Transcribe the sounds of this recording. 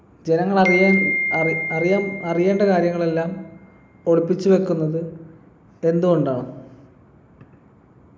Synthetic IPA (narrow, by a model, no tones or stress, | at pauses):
d͡ʑe̞nɐŋːɐɭɐa | ɐrijamɐrije̞ːɳɖɐkaːɾjɐŋːɐɭe̞lːaːm | o̞ɻupːit͡ɕːube̞kːunːɐðɨ | e̞nd̪uɣo̞ɳɖaːɳɨ